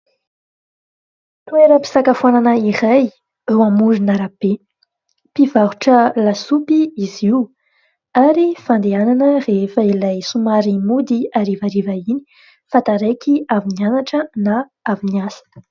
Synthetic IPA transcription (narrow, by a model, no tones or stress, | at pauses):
t̪ueɾəpi̥sakafuananəiraj | ewamuɾinaɾab̥e | pivaɦuʈ͡ʂəlasupiiziw | aɾifand̪eananərefəilajsumaɾimud̪iaɾivaɾivaini̥ | fat̪aɾejkiavinianaʈ͡ʂəna | aviniasə̥